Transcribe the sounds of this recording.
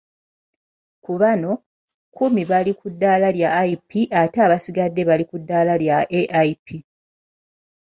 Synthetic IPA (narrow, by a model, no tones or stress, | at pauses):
kuβano̞ | kʰumiβalikudːalaljaːipiʔateaːβasiɡadːe̞βalikudːaːlaljaeʔaipi